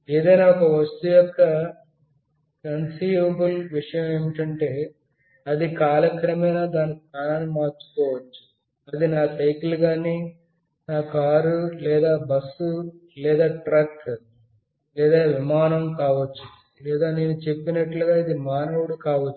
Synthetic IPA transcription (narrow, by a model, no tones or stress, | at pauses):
eːd̪ɐjnaːɔkɐʋɐst̪ujɔkːɐ | kɐnsiːʋɐbulʋiʂɐjɐmeːmiʈɐɳʈe̞ː | ɐd̪ikaːlɐkɾɐmɐjnaːd̪aːnikikaːnaːnimaːɾt͡ʃu̥kɔːʋɐt͡ʃːu̥ | ɐd̪inaːsɐjkluɡaːniː | naːkaːɾulɛːd̪aːbɐsːu | lɛːd̪aːʈɾɐk | lɛːd̪aːʋimaːnɐmkaːʋɐt͡ʃːu | lɛːd̪aːne̞ːnut͡ʃe̞pːinɐʈluɡaːid̪imaːnɐwuɽukaːʋɐt͡ʃː